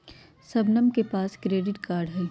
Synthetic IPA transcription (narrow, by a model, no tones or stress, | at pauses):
sɐbnəmkepaːskɾeːɖɪʈkaːɾɖɦɛː